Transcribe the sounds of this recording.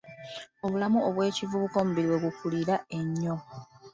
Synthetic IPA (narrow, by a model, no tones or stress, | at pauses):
o̞βulamuoβwe̞ːcivuβukomubiɾiwe̞βukuliɾae̞ɲːo̞